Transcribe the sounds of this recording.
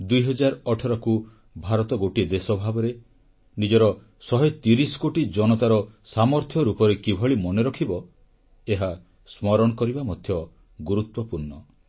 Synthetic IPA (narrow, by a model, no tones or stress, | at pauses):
d̪ujɦɔd͡ʒaɾɔʈʰɔɾɔku | bʱaɾɔt̪ɔɡoʈid̪esɔbʱabɔɾe | nid͡ʒɔɾɔ | sɔɦet̪iɾisɔ̥koʈid͡ʒɔnɔt̪aɾɔsamɔɾt̪ʰjɔɾupɔɾekibʱɔɭimɔneɾɔkʰibɔ | eɦa | smɔɾɔɽ̃ɔkɔɾibamɔd̪ʱjɔ | ɡuɾut̪wɔpuɾnɔ